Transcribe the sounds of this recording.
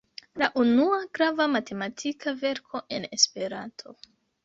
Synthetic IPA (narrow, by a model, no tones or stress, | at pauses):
laʔunuaɡɾavamate̞matʰikʰave̞ɾkʰo̞ʔe̞ne̞spe̞ɾantʰo̞